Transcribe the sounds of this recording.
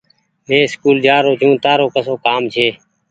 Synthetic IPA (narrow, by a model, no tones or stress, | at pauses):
mẽːskuːld͡ʒaːɾoːd͡ʒũːt̪aːɾoːkəsoːkaːmt͡ʃʰeː